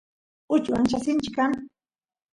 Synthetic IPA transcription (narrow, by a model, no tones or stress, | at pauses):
ʊt͡ʃwaŋʃasɪnt͡ʃɪkam